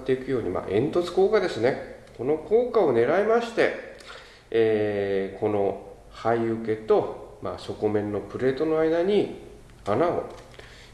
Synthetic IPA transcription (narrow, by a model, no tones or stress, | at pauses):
t̪ːe̞ikɯ̟jo̞ːɲ̟ima̰ːʔẽ̞nt̪o̞t͡sɨ̥ko̞ːkad̪e̞sɨne̞ko̞no̞kʰo̞ːkao̞ne̞ɾaemaɕi̥t̪e̞ | kʰo̞no̞ | haiɯ̟ke̞t̪o̞ma̰ːso̞ko̞mẽ̞nːo̞pɯ̟ɾe̞ːt̪o̞no̞aid̪aɲ̟i | anao̞̰